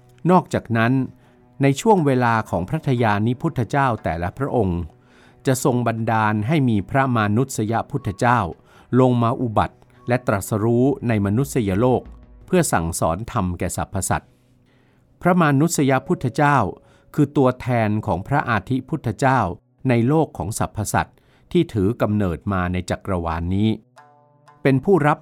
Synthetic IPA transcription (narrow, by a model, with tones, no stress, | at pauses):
nɔː˥˩k̚t͡ɕaː˨˩k̚na˦˥nː | a˧jt͡ɕʰu˥˩əŋweː˧laː˧kʰɔː˩˦ŋpʰɾa˦˥t̪ʰa˧jaː˧ni˦˥pʰu˥˩t̪ʰːa˧t͡ɕaː˥˩wt̪ɛ̰ː˨˩la˦˥pʰɾa˦˥ʔo˧ŋ | t͡ɕa˨˩ʔso˧ŋba˧ndaː˧nɦa˥˩jmiː˧pʰɾa˦˥maː˧nu˦˥t̪̚sa˧ja˦˥pʰu˥˩t̪ʰːa˧t͡ɕaː˥˩w | lo˧ŋmaː˧ʔu˨˧ba̰˨˩t̪̚ | lɛ˦˥t̪ɾa˨˩sa˧ɾuː˦˥na˧jma˧nu˦˥t̪̚sa˧ja˧loː˥˩k̚pʰɯ˥˩ɐsa̰˨˩ŋsɔ̰ː˩˦nt̪ʰa˧mkɛː˨˩sa̰˨˩pʰːa˧sa̰˨˩t̪̚ | pʰɾa˦˥maː˧nu˦˥t̪̚sa˧ja˦˥pʰu˦˥˩t̪ʰːa˧t͡ɕaː˥˩w | kʰɯː˧t̪u˧ɐt̪ʰɛː˧nkʰɔː˩˦ŋpʰɾa˦˥ʔaː˧t̪ʰi˦˥pʰuː˦˥˩t̪ʰːa˧t͡ɕaː˥˩w | na˧jloː˥˩kʰːɔː˩˦ŋsa˨˩pʰːa˧sa̰˨˩t̪̚ʰː | iː˥˩t̪ʰɯː˩˦ka˧mnɤː˨˩t̪̚maː˧na˧jt͡ɕa˨˩kɾa˧waː˧nːiː˦˥ | pe˧npʰuː˥˩ɾa˦˥p̚